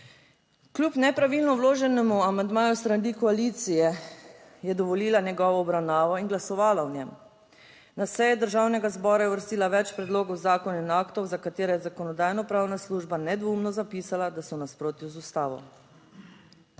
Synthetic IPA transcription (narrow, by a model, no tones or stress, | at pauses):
klʲupnɛpɾaʋilnɔwloːʒɛnɛmuamand̪maːjust̪ɾand̪ikɔalit̪sijɛ | jɛd̪ɔʋɔliːlanjɛɡɔːʋɔɔbɾawnaːʋɔinɡlasɔʋaːlaɔnʲɛm | nasɛjɛd̪əɾʒawnɛɡazbɔːɾajɛʋəɾst̪iːlaʋɛt͡ʃpɾɛd̪loːɡɔwzaːkɔninaːkt̪ɔwzakat̪eːɾɛjɛzakɔnɔd̪aːjnɔpɾaːwnasluːʒbanɛd̪ʋumnɔzapisalad̪asɔnaspɾoːt̪juzust̪aːʋɔ̰